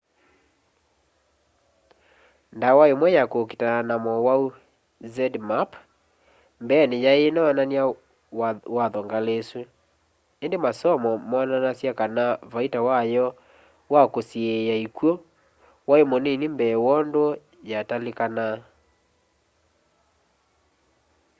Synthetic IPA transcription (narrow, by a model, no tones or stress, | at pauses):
ndawaemwɛjakoki̥tananamɔwau | zɛdmap | mbɛːnejaenɔanania | waðɔŋɡalesu | endemasɔmɔmɔnanasjakanavaitawajɔ | wakosiejaikwɔ | waemonenembɛwɔndo | jatalekana